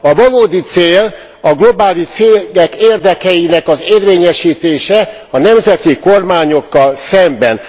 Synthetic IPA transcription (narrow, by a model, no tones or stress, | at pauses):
ɒvɒloːd̪it̪seːl | ɒɡlo̞baːliʃt̪seːɡɛkeːrd̪ɛkɛjinɛkɒzeːrʋeːɲɛʃiːt̪eːʃɛ | ɒnɛmzɛt̪iko̞rmaːɲo̞kːɒlsɛmbɛn